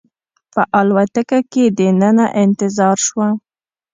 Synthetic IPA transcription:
pəʔɑlwat̪əkaked̪ənənaʔɪnt̪ɪzɑɾʃwa

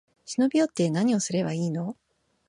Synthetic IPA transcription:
ɕino̞bʲiot̪ːe̞naɲ̟io̞sɨɾe̞baiːno̞

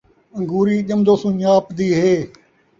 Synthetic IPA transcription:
ə̃ŋɡuːɾiːʄəmd̪oːsũːɲaːpd̪iːɦeː

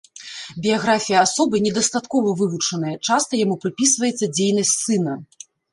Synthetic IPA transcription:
bʲijaɣɾafʲijɐasɔbɨnʲɛd̪ɐst̪at̪kɔvɐvɨvut͡ʂɐn̪ɨjɐt͡ʂast̪ɐjamupɾɨpʲisvɐjɛt̪sːɐd͡zʲejnɐsʲtʲsɨnɐ

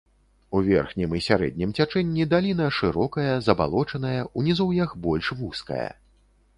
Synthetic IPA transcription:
uvʲɛ̰rxnʲimisʲaɾɛ̰d̪̚ʲnʲimt͡sʲat͡ʂɛnʲːid̪alʲinɐʂɨɾɔkɐjɐzɐba̰lˠɔt͡ʂɐnɐjɐunʲizɔwjɐxbɔlʲʂvuskɐ̰jɐ̰

